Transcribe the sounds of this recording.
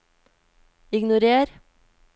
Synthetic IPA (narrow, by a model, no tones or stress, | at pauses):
ɪɡnʊɾeːɾ